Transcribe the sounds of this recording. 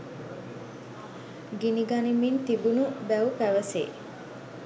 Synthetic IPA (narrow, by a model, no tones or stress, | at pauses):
ɡiniɡanimint̪ibunubæupæʋəsḛː